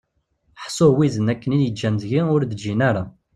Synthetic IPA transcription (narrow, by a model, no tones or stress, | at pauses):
ħsˤowizənækːəniljəd͡ʒːænzʝiʊɾd̪d͡ʒːinaɾa